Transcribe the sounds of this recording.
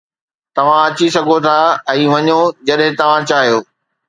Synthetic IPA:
t̪ɐʋ̤ãɐt͡ɕisɐɡʱot̪ʰaɛ̃ːʋɐɲod͡ʑɐɗɦɪ̃t̪ɐʋ̤ãt͡ɕaːɦijoː

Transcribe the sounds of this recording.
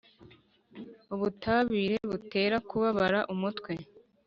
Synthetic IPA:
uβutaːβiːɾe̞βute̞ːɾakuβaβaɾaʔumutkwe̞

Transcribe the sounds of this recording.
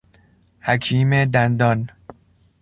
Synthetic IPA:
hækʰiːmed̪ænd̪ɒːn

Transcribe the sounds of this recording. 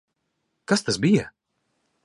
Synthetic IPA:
kast̪asbija

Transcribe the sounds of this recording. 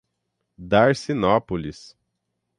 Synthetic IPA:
d̪aɾsinɔpolis

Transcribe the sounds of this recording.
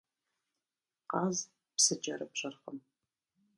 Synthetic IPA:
qɑːz | psɨd͡ʒɐɾɨpɕɐrχəm

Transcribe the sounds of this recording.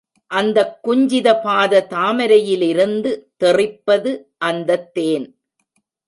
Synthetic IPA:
ʔɐnd̪ɐkːʊɲd͡ʒɪðɐpaːðɐt̪aːmɐɾɐjɪlɪɾɯnd̪ɯt̪ɛrɪpːɐðɯ | ʔɐnd̪ɐt̪ːeːn

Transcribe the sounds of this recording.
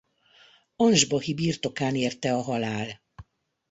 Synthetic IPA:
onʒbɒhibiːrt̪o̞kaːneːrt̪ɛɒɦɒlaːl

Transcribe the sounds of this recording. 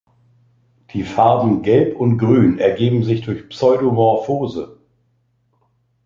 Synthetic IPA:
d̥iːfaɐdn̩ɡɛlpʰʊntɡ̥ʁyːnɛɐɡeːbm̩zɪçd̥ʊɐçpsɔʏdomɔɐfoːzə̰

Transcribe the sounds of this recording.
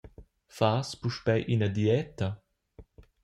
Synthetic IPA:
faːspuʃpɛjʔinɐd̪jɛt̪ɐ

